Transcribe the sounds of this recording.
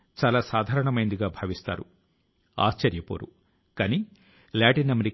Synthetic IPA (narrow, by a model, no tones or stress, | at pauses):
t͡ʃaːlaːsaːd̪ʱaːɾɐɳɐmɐjnd̪iɡaːbʱaːʋist̪a̰ːɾṵ | a̰ːst͡ʃɐɾjɐpo̰ːɾṵ | kaːni | laːʈinɐmeɾi